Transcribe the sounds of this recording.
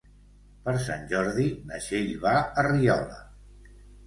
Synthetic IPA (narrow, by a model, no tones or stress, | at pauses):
pəɾsa̰nʲʒɔɾðinəʃeʎβaəriɔ̰lə̰